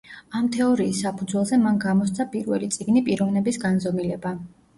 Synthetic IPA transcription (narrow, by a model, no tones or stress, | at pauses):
amt̪ʰɛɔɾiːsːapʰud̪zwɛlˠzɛmanɡamɔst̪sʰapʼiɾvɛlit̪sʼiɡnipʼiɾɔvnɛbisɡanzɔmilɛba